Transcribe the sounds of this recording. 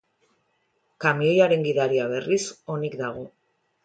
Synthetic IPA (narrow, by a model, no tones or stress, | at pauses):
kamio̞jaɾe̞ŋɡiðaɾiaβ̞e̞riso̞nikd̪aɣ̞o